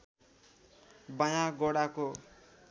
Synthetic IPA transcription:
bajãɡɔɽako

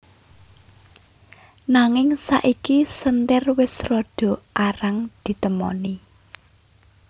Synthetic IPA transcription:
naŋɪŋsa̰ʔikisənt̪ɪrwɪsrɔɖ̥ɔ̤ʔaɾaŋd̪̥i̤t̪əmɔ̰ni

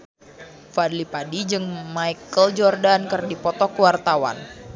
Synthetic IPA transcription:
fadlipadid͡ʒɨŋmajkəld͡ʒɔrdankɨrdipɔt̪ɔkuwart̪awa̰n

